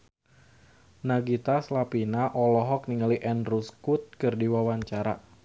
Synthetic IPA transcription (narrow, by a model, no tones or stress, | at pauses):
naɡit̪aslapinaʔɔlɔɦɔk̚niŋaliʔɛnruskut̪̚kɨrdiwawaɲt͡ʃaɾa̰